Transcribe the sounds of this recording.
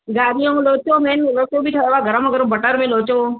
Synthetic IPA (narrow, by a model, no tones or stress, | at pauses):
ɡaːɾijõːloːt͡ʃoːmẽːnloːt͡ʃoːbʱiːʈʰəʋaːɡʱəɾə̃maɡʱəɾõbəʈəɾmẽːloːt͡ʃoː